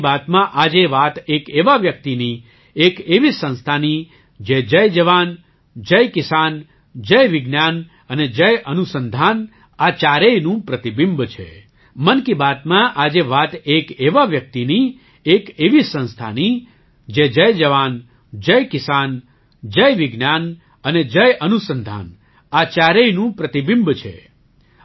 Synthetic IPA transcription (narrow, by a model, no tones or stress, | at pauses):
bat̪mãʔad͡ʒeʋat̪ekeʋaʋjək̚t̪ini | ekeʋisə̃ñst̪ʰani | d͡ʒed͡ʒəjd͡ʒəʋan | d͡ʒəjkɪsan | d͡ʒəjʋɪɡnjan | əned͡ʒəjʔənusənd̪ʱan | at͡ʃaɾejnũpɾət̪ibimbt͡ʃʰḛ | mənkibat̪mãʔad͡ʒeʋat̪ekeʋaʋjək̚t̪ini | ekeʋisə̃ñst̪ʰa̰ni | d͡ʒed͡ʒəjd͡ʒəʋan | d͡ʒəjkɪsan | d͡ʒəjʋɪɡnan | əned͡ʒəjənusənd̪ʱa̰n | at͡ʃaɾejnũpɾət̪ibimbt͡ʃʰḛ